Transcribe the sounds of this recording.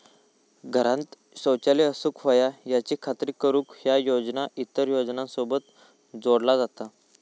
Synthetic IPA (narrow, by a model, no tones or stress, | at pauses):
ɡʱəɾãnt̪ | ɕəwt͡ɕaliːəsukfəjajat͡ɕiːkʰat̪ɾiːkəɾũːkhjajod͡znait̪ːəɾjod͡znãnsobət̪ | d͡zoɽlad͡zat̪a